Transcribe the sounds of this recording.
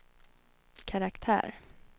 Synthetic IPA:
kʰaɾakt̪ʰæ̰ːɾ

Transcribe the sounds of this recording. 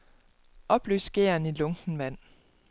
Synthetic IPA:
ʔɒ̽b̥ly̰ːsɡ̥e̝̰ɐnilɔ̽ŋɡ̥n̩ʋæn̰

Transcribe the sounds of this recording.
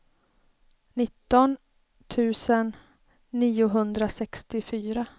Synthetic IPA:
nɪt̪ːɔn | t̪ʰʉ̟ːsənː | iːʊɦɵnd̪ɾasɛkst̪ɪfyːɾa

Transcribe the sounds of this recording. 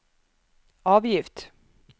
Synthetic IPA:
ɑːvjɪft̪

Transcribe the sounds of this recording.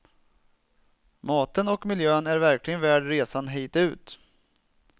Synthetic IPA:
mɑːt̪ənɔkmɪljøːnæɾvæɾklɪɡənvæːɖɾeːsanɦɛːt̪ʉ̟ːt̪

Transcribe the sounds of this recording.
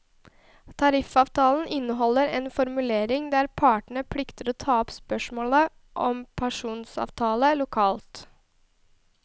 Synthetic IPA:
t̪ʰɑɾɪfɑːʋt̪ʰɑːln̩ʔɪnːəɦɔlːəɾeːnfɔɾmʉleːɾɪŋd̪æɾpʰɑːʈəɳ̩əpʰɽɪkt̪əɾoːt̪ʰɑːɔpspœʂmoːlə | ʔɔmpʰæʂuːnsɑ̰ːʋt̪ʰɑːləlʊkʰɑːlt̪

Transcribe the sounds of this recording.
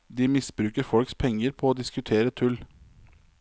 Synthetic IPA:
d̪iːmɪsbɾʉːkəɾfɔlkspʰɛŋːəɾpʰɔːoːd̪ɪskʉt̪ʰeːɾət̪ʰʉl

